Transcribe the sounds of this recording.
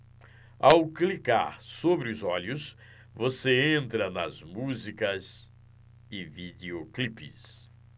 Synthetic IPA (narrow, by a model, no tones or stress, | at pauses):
awklika̰ɾsobɾɪʊzɔʎʊs | voseẽnt̪ɾɐnɐ̰zmuzikɐz | ɪvid̪ioklipɪ̰s